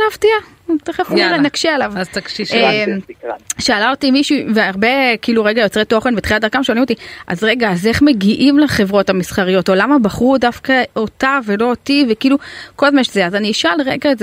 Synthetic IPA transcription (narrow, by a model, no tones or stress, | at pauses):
avtia | teχafueʁenakʃialavzt̪akʃiemʃaːlaotimiʃuveaʁbe̞kiiːluʁeɡajo̞t͡sʁeto̞χenbetχilatdaʁkamʃeolimot̬iʔa̰zʁe̞ɡaːze̞χme̞ɡiʔimleχe̞vʁo̞thamisχaʁijo̞to̞lamabaχudafkaotavelo̞ːtivekiːluko̞lazmaʃzeazaniʃalʁeɡaeze